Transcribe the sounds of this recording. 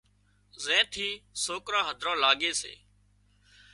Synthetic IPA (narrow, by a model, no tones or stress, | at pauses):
zẽːt̪ʰiːsoːkɾãːɦəd̪ʱɾãːlaːɠeːsḛː